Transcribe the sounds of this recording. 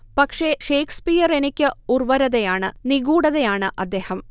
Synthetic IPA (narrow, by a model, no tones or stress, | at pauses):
pɐkʂeʂe̞ːkʰspijɐrenikʲːɨurʋɐɾɐðejaːɳɨniɣuːɽɐðejaːɳɨʔɐd̪ːe̞ːhɐm